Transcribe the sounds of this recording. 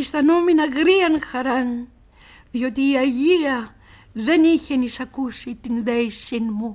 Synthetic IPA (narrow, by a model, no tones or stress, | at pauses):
ist̪anominɐɣɾiɐnxaɾan | ðjot̪iːaʝiɐ | ðeniçenisɐkusit̪inðejsinmu